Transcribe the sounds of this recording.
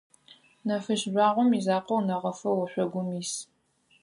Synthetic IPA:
nɐfɨʃʒʷɑːʁʷɔmizaːqɐwnɐʁɐfɐwɔɕʷɔɡʷʊmis

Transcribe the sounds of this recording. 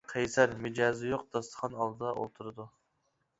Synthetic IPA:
qʰɛjsæɾmɪd͡ʒɑːzɪjoqd̪̥ɑst̪ə̥χʰɑnɑlˠd̪ɨd̪ɑʔo̰lˠt̪ʰuɾɨd̪u

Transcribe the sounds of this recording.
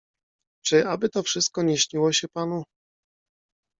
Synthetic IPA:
t͡ʂɘabɘt̪ɔfʂɘst̪̚kɔɲeɕɲiwɔɕɛpanu

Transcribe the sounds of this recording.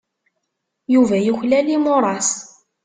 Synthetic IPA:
juvæjuçlælimʊɾˤɑs

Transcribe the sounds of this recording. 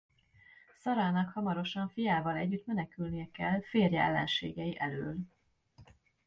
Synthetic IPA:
sɒɾɒlnɒkhɒmɒɾo̞ʃɒɱfijaːvɒlɛɟːyt̪mɛnɛkylnijɛkɛlfeːrjɛɛ̰lːɛ̰nʃḛːɡɛjiʔɛløːl

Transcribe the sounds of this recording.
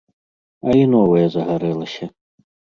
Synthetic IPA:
ɐinɔvɐjɐzɐɣaɾɛlˠɐsʲɐ

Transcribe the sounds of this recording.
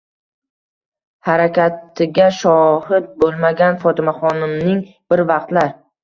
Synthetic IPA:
haɾakʲat̪ʰɪɡʲaʃɒhɪt̪̚bolˠmaɡʲanfɒt̪ʰɪmaχɒnɪmnɪŋ | b̥ɪɾvɑq̚t̪laɾ

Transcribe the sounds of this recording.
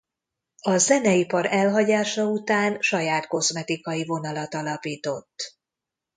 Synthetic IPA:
ɒzɛnɛipɒɾɛlɦɒɟaːʃɒut̪aːnʃɒjaːt̪ko̞zmɛt̪ikɒjivo̞nɒlɒt̪ɒlɒpiːt̪o̞t̪ː

